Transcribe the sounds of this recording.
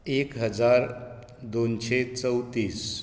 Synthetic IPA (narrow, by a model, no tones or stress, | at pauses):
ekɦəd͡zaɾ | d̪onɕet͡səwt̪iːs